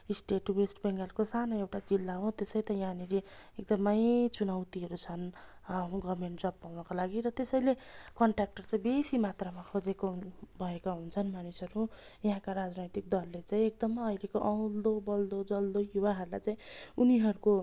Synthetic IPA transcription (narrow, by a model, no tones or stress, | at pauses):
isʈeʈwesʈbeŋɡʌlkosanoewʈat͡silːaɦot̪esʌjt̪ʌjãnileek̚d̪ʌmʌjt͡sunawt̪iɦʌɾut͡sʰʌn | ɡʌmeɳʈd͡zʌbpːawnʌkalaɡiɾʌt̪esʌjlekʌɳʈrak̚ʈʌrt͡saĩbesimat̪rʌmakʰod͡zekobʱʌekaɦunt͡sʰʌnmanisʌɾu | jʌɦãkaɾad͡znʌjt̪ikd̪ʌlːet͡saĩek̚d̪ʌmʌilekoʔʌw̃ld̪obʌld̪od͡zʌld̪ojuwaɦʌɾulajt͡saĩuniɦʌɾuko